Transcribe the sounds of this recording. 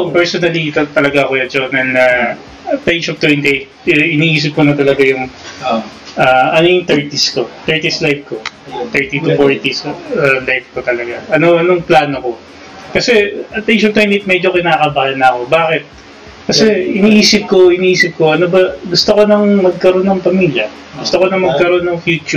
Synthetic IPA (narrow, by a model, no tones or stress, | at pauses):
pɛɹsonɐlit̪ɐt̪ɐlɐɡaɐkojɐd͡ʒonɐlnɐ | ɐt̪ːejʃop̚t̪wɛnt̪iʔt̪̚ʔɪniʔiːs̬ɪp̚konɐt̪ɐlɐɡajʊŋ | aːʔɐnojʊŋt̪ɛɹt̪isko̞t̪ɛɹt̪islajb̚ko̞t̪ɛɹt̪it̪ʊfoɹt̪isɐlajf̚kot̪ɐlɐɡaʔɐno̞ʔɐnoŋplaːnoko̞ | kɐsɛɐt̪ːejʃot̪wɛnt̪iʔt̪̚mɛd͡ʒokɪnaːkɐbalɐnɐko̞baːkɪt̪̚ | kɐsɛɪniʔiːsɪp̚ko̞ɪniːʔiːsɪp̚ko̞ʔɐnobɐɡʊst̪oko̞nɐŋmɐɡ̚kɐɾo̞nːɐŋpɐmiːljɐ | ɡʊst̪oko̞nɐŋmɐɡ̚kɐɾo̞nːɐŋfjuːt͡ʃu